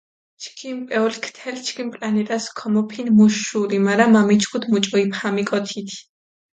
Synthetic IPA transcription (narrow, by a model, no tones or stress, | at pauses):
t͡ʃʰkʰimpʼɛɔlkʰt̪ʰɛlt͡ʃʰkʰimpʼlanɛt̪ʼaskʰɔmɔpʰinmuʃuɾimaɾamamit͡ʃʰkʰut̪ʰmut͡ʃʼɔipʰamikʼɔt̪ʰit̪ʰi̥